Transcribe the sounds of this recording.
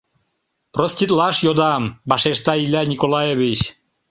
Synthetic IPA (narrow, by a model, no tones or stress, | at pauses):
prosʲt̪ʲit̪lˠɑʃjod̪ɑmbɑʃeʃt̪ɑilʲænʲikolˠɑjevʲit͡ɕ